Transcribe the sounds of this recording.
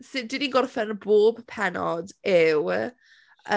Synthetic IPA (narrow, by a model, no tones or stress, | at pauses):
sɨdɪniɡɔrθɛnəboːbpʰɛnɔdɪw | ə